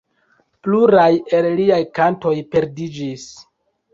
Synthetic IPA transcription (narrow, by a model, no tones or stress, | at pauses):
pluɾajelliajkanto̞jpe̞ɾdid͡ʒis